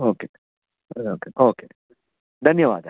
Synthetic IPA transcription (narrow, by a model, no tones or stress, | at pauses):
oːke | ooːkeʔoːkḛː | d̪ʱɐnjəʋa̰ːd̪